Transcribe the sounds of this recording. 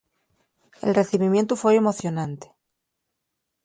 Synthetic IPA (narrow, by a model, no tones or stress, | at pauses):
ḛlre̞θiβimjent̪ufweemo̞θjo̞nãnt̪e̥